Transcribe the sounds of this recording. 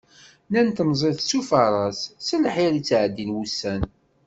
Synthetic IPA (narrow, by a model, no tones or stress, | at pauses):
nænt̪əmzˤeθsufəɾˤɑssəlħiɾit͡sːʕd̪ːinwusːæn